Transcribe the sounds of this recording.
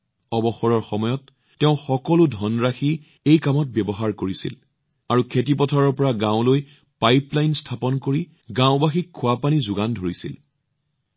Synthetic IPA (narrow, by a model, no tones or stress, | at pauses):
ɔbɔxɔɹɔɹxɔmɔjɔt | tːɛʊ̃xɔkɔlʊdʱɔnɹaxi | ejkamɔt̚bjɛbɔɦaɹkoɹisḭl | aɹukʰetip̬ɔtʰɔɹɔɹpɔɹaɡãʊloj | pajplajnstʰapɔnkoɹi | ɡãʊbaxikʰːʊwapanizʊɡandʱoɹisḭl